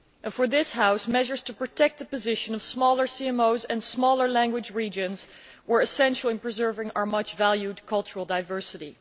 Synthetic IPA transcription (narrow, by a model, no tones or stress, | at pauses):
ʔɨ̃nfə˞ðɪshaʊsmɛʒə˞z̥tʰəpɹ̥ɨtʰɛk̚t̪̚ðəpɨzɪʃɨ̃nʌv̥smɔlˠə˞siɛ̃moʊzɨ̃nsmɔlˠə˞læ̃ŋɡwɨd͡ʒɹid͡ʒɨ̃nz | wə˞ɨsɛ̃nʃl̩ˠɨ̃npɹ̥ɨzɜ˞vɪ̃ŋaʊə˞mʌt͡ʃvælˠjʉdkʰʌlˠt͡ʃəɹl̩ˠdaɪvɜ˞sɨɾḭ